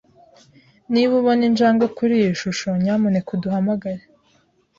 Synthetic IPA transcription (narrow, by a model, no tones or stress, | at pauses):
niβuβoninʒd͡ʒaːŋɡakuɾijiʃuʃo̞ɲamunekuduhamaɡaɾe